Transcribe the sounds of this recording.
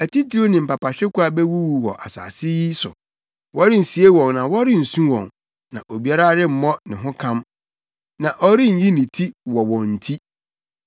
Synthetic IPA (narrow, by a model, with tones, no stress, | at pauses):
æ˨ti˦tʰi˨˦ɾo˦nɪ̃˨m̩˨pa˨pʰa˨ɕᶣɪ˦kʊ˦a˨bɛ˦wu˦wu˨hɔ̰˨ʔa̰˨sa̰ː˨sɪ˦ji˦sʊ̰˨ | wɔ˦ɾɪ˦n̩˨si˨e˦wɔ̃˨nnã˨wɔ˦ɾɪ˦n̩˨sũ˦wɔ̰̃˨n | nã̰˨ʔo˨bi˨a˦ɾa˦ɾɪ˦m̩˨mɔ̃˦nɪ̃˨ɦʊ̃˦kʰã˦m | nã˨ʔɔ˦ɾɪ̃˦n̩˨˦ji˦nĩ˨tʰi˦wɔ˨wɔ̃˨n̩˨tʰi˦